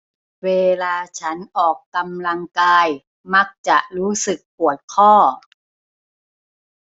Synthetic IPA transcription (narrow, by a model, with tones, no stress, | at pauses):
weː˧laː˧t͡ɕʰa˦˥nʔɔː˨˩kːa˧mla˧ŋkaː˧j | ma˦˥k̚t͡ɕa˨˩ʔɾuː˦˥sɯ˨˩kːpu˨˩ət̪̚kʰɔː˥˩